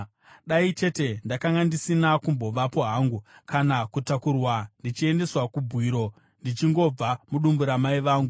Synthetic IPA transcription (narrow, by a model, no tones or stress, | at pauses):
ɗait͡ʃe̞te̞ndakaŋɡandisinakumbo̞ʋapo̞ɦaŋɡukanakutakurwandit͡ʃie̞nde̞swakubʱwiːɾo̞ | ndit͡ʃiŋɡo̞b͡vamuɗumbuɾamaiʋaːŋɡu